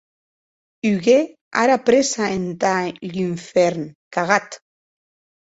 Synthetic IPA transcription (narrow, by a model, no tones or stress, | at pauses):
yɣe | aɾapɾesaent̪aʎiɱfeɾnkaɣat̪